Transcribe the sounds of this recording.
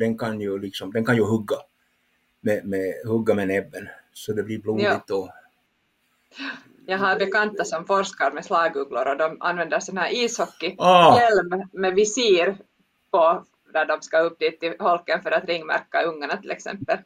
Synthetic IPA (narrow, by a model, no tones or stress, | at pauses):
d̪ɛnkʰɑnjɵlɪksɔmd̪ɛnkɑnjɵhɵɡːa | mɛmɛhɵɡːamɛnɛbːənsɔd̪ɛbliɾbluːdɪt̪ɔ | jɑːɡɦɑɾbɛkɑnt̪ːasɔmfɔɾskɑɾmɛslɑːɡʉːɡlʊɾɔd̪ɔmʔɑ̰nvɛnd̪əɾsɔnhæːɾiːshɔkːɪɑjɛlmːɛvɪsiːɾ | pɔ | d̪æɖɔmskɑɵp̚ːd̪iːt̪ːɪhɔlkːənfœɾat̪ɾɪŋːmæ̰ɾkːɑɵŋːaɳɑt̪ʰɪlɛ̰ksɛ̰mpːəl